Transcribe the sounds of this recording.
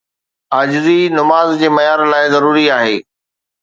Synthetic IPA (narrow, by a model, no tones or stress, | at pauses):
aːd͡ʑɪzinʊmaːzd͡ʑeːmɐjaːɾlaːɪzɐɾuːɾiaːɦeː